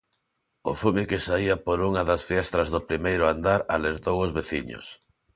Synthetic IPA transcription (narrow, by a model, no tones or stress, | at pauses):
ʊ̰fumɪkɪsaiɐpoɾuŋaðɐsfiɛst̪ɾɐzðʊpɾimejɾʊand̪aɾa̰leɾt̪owʊzβeθiɲo̰s